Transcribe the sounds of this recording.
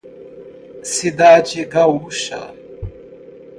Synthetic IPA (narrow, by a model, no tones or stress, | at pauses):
sid̪aːd͡ʑiɡawuɕa̰